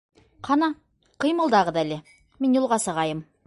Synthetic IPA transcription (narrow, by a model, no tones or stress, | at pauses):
qʰɑnɑ | qɤ̆jmɤ̆lˠd̪ɑʁɤd̪ælɘ | minjulˠʁɑsɤ̆ʁɑjɤm